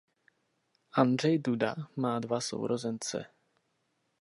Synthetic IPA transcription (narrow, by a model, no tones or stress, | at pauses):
ʔandr̝ɛjduda̰maːdvaso̰wɾʔozɛnt͡sɛ̰